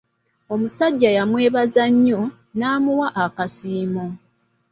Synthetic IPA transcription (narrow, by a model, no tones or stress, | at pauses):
o̞musaɟːajamwe̞ːβazaɲːo̞ | naːmuwaʔakasiːmo